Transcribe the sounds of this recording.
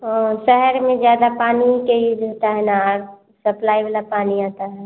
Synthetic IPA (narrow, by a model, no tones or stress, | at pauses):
ɔʃɛɦəɾmẽzjaːd̪apaːnikeid͡ʒɦoːt̪aɦɛnaɾ | səplaːibalapaːniaːt̪aɦɛ